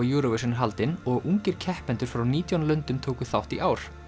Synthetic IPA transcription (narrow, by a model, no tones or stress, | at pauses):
ɪjuːɾɔvɪsʏnɦalt̪ɪnɔɣuŋcɪɾ̥cʰɛhpɛnt̪ʏɾ̥fɾawniːt̪ʰjanlœnt̪ʏmt̪ʰoːkʏθawht̪iʔaːwɾ̥